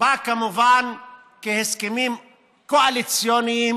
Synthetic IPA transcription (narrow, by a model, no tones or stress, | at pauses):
akamuvan | keheskemim | koalit͡sjonijim